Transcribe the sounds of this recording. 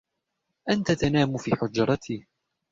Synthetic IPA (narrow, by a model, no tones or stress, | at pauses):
ʔant̪at̪anaːmʊfiːħʊd͡ʒɾˤɑt̪ʰiː